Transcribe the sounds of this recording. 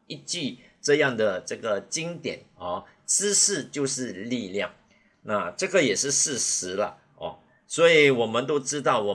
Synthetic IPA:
i˥˩t͡ɕi˥˩ | ʈ͡ʂɤ˥˧jɑ˥˩ŋd̪ə˩ʈ͡ʂɤ˥˩ɡə˩t͡ɕi˥ŋt̪jɛ˨˩˦nɔ˥˩ʈ͡ʂɻ̩˥ʂɻ̩˥˩t͡ɕjo˥˧ʊʂɻ̩˥˧li˥˧ljɑ˥˩ŋ | na˥˧ʈ͡ʂɤ˥˩ɡə˩jɛ˨˩ʂɻ̩˥˧ʂɻ̩˥˩ʂɻ̩˧˥lə̰˧ | ɔ̰˧˩ | swɔ˧˥i˨˩wɔ˨˩mə˦nt̪o˥ʊʈ͡ʂɻ̩˥t̪ɑ˥˩ʊwɔ˨˩

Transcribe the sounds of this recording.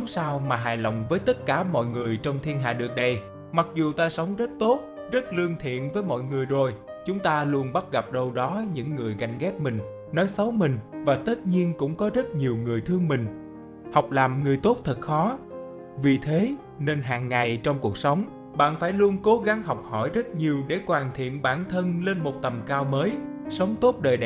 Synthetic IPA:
ŋ͡msaː˧wmaː˨˩ɦaː˨˩jla̰˧˨wŋ͡mvəː˨˦jt̪ə˦˥t̚kaː˧˩mɔ̰˧˨jŋɨ˨˩əjt͡ɕɔ˧wŋ͡mt̪ʰi˧ənɦa̰ː˧˨ɗɨ˨˩ək̚ɗə˨˩j | ma˨˩k̚zu˨˩t̪aː˧sə˨˦wŋ͡mzə˦˥t̚t̪o˦˥t̚ | zə˦˥t̚lɨ˧əŋt̪ʰḭ˧˨ənvəː˨˦jmɔ̰˧˨jŋɨ˨˩əjzo˨˩j | t͡ɕʊ˨˦ŋ͡mt̪aː˧lu˧ənɓa˦˥t̚ɣa˨˩p̚ɗə˧wɗɔ˨˦ɲɨ̰˧˥ŋːɨ˨˩əjɣa˨˩jŋ̟ɣɛ˦˥p̚mï˨˩ŋ̟ | nɔ˨˦jsə˨˦wmï˨˩ŋ̟vaː˨˩t̪ə˦˥t̚ɲi˧ənkʊ̰˧˥ŋ͡mkɔ˨˦zə˦˥t̚ɲi˨˩əwŋɨ˨˩əjt̪ʰɨ˧əŋmï˨˩ŋ̟ | ha˨˩wk͡p̚laː˨˩mŋɨ˨˩əjt̪o˦˥t̚t̪ʰə˨˩t̚xɔ˨˦ | vi˨˩t̪ʰe˨˦ | ne˧nɦaː˨˩ŋːa˨˩jt͡ɕɔ˧wŋ͡mku˨˩ək̚sə˨˦wŋ͡m | ɓa̰ː˧˨nfaː˧˩jlu˧ənko˨˦ɣa˨˦ŋɦɔ˨˩wk͡p̚hɔ̰˧˩jzə˦˥t̚ɲi˨˩əwɗe˧˩kwaː˨˩nt̪ʰḭ˧˨ənɓaː˧˩nt̪ʰə˧nle˧nmo˨˩t̚t̪ə˨˩mkaː˧wməː˨˦jsə˨˦wŋ͡mt̪o˦˥t̚ɗəː˨˩jɗɛ˨

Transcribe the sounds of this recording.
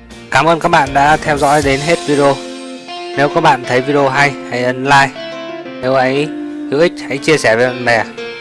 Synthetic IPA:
kaː˧˩mʔəː˧nkaː˦˥k̚ɓa̰ː˧˨nɗa̰ː˧˥t̪ʰɛ˧wzɔ̰ː˧˥jɗe˨˦nɦe˦˥t̚vi˧ɗə˧o˧ | ne˨˦wkaː˦˥k̚ɓa̰ː˧˨nt̪ʰə˨˦jvi˧ɗə˧o˧ɦa˧jha˧jʔə˨˧˦nlaː˧jne˨˦wʔə˨˦j | hi˧˥wʔï˦˥k̚ha̰˧˥jt͡ɕi˧əsɛː˧˩ve˨˦ɓa̰ː˧˨nɓɛ˨˩

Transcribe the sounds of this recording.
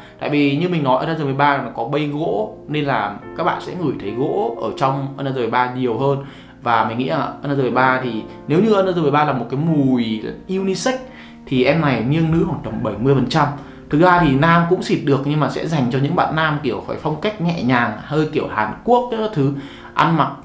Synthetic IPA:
t̪a̰ː˧˨jvi˨˩ɲɨ˧mï˨˩ŋ̟nɔ˨˦jʔəː˧naː˧zəː˧mə˨˩jɓaː˧˨˩nɔ˨˦kɔ˨˦ɓə˧jɣo̰˧˥ne˧nlaː˨˩kaː˦˥k̚ɓa̰ː˧˨sɛ̰˧˥ŋɨ˧˩jt̪ʰə˨˦jɣo̰˧˥ʔəː˧˩t͡ɕɔ˧wŋ͡mʔə˧naː˧zəː˧˩ə˨˩ɓaː˧ɲi˨˩əwɦəː˧n | vaː˨˩mi˨˩ŋŋḭ˧˥laː˨˩ʔəː˧naː˧zəː˧˩ə˨˩jɓaː˧t̪ʰi˨˩ | ne˨˦wɲɨ˧ʔəː˧n˧zəː˧ə˨˩ɓaː˧laː˨˩mo˨˩t̚kaː˨˦jmu˨˩˨jʔi˧wni˧sa˦˥k̟̚ | t̪ʰi˨˩ʔɛ˧mna˨˩jŋi˧əŋnɨ̰˧˥haː˧˩n̚ɗə˨˩mɓə˧˩jmɨ˧əjfə˨˩nt͡ɕa˧m | t̪ʰɨ˨˦zaː˧t̪ʰi˨˩naː˧mkʊ̰˧˥ŋ͡msi˨˩t̚ɗɨ˨˩ək̚ɲɨ˧ŋmaː˨˩sɛ̰˧˥za˨˩jŋ̟t͡ɕɔ˧ɲɨ̰˧˥ŋɓa̰ː˧˨nːaː˧mki˧˩əwfaː˧˩jfa˧wŋ͡mka˦˥jk̟̚ŋɛ̰˧˨ɲaː˨˩ŋhəː˧jki˧˩əwhaː˨˩nku˦˥ək̚ːt̪ʰɨ˨˦ | ʔa˧nma˨˩t̚

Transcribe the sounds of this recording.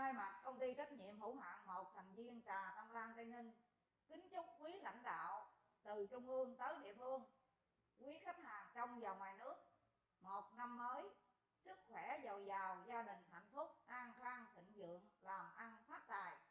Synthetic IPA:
naː˧jma˨˩t̚kə˧wŋ͡mt̪i˧t͡ɕa˦˥jt̚ɲḭ˧˨əmhṵ˧˥ɦwa̰ː˧˨ŋmo˨˩t̚t̪ʰa˨˩ŋ̟vi˧ənt͡ɕaː˨˩na˧mlaː˧ŋt̪a˧ŋnï˧ŋ | kï˨˦ŋ̟t͡ɕʊ˦˥k͡p̚kwi˨˦la̰˧˨jŋ̟ɗa̰ː˧˨w | t̪ɨ˨˩t͡ɕʊ˧wŋ͡mʔɨ˧əŋt̪əː˨˦jɗḭ˧˨əfɨ˧əŋ | kwi˨˦xa˦˥k̟̚haː˨˩ŋt͡ɕɔ˧wŋ͡mzaː˨˩wŋwaː˨˩jnɨ˦˥ək̚ | mo˨˩t̚na˧mːəː˨˦j | sɨ˦˥k̚xwɛ˧˩zə˨˩jzaː˨˩wzaː˧ɗï˨˩ŋ̟t̪ʰa̰˧˨jŋ̟fʊ˦˥k͡p̚ʔaː˧ŋkaː˧ŋt̪ḭ̈˧˨ŋ̟zɨ̰˧˨əŋlaː˨˩mʔa˧nfaː˦˥t̚t̪a̰ː˧˨j

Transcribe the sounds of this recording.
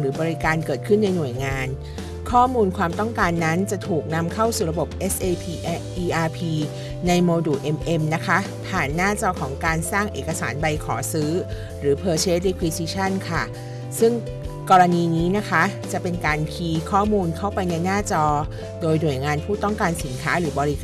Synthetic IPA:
ɾɯː˩˦bɔː˧ɾi˦˥kaː˧nkɤː˨˩t̪̚kʰɯ˥˩nːa˧jnu˨˩əjŋaː˧n | kʰɔː˥˩muː˧nkʰwaː˧mt̪ɔ˥˩ŋkaː˧nːa˦˥nt͡ɕa˨˩t̪ʰuː˨˩k̚na˧mkʰa˥˩wsuː˨˩ɾa˧bo˨˩p̚ʔe˦˥sʔeː˧pʰːʔiː˧ʔaː˧pʰiː˧ | na˧jmoː˧duː˨˩ʔe˧mʔe˧mna˦˥kʰa˦˥pʰaː˨˩nːaː˥˩t͡ɕɔː˧kʰɔː˩˦ŋkaː˧nsaː˥˩ŋʔḛː˨˩kːa˧sa̰ː˩˦nba˧jkʰɔ̰ː˩˦sɯː˦˥ | ɾɯː˩˦pʰɤː˧t͡ɕʰeː˦˥t̪̚ɾi˦˥kʰwi˦˧si˧˥t͡ɕʰa˥˩nkʰa˥˩ | sɯ˥˩ŋ | kɔː˧ɾa˧niː˧niː˦˥na˦˥kʰa˦˥t͡ɕa˨˩pe˧nkaː˧nkʰiː˧kʰɔː˥˩muː˧nkʰa˥˩wpa˧jna˧jnaː˥˩t͡ɕɔː˧ | doː˧jnu˨˩əjŋaː˧npʰuː˥˩t̪ɔ˥˩ŋkaː˧nsi˩˦nkʰaː˦˥ɾɯː˩˦bɔː˧ɾi˦˥kː

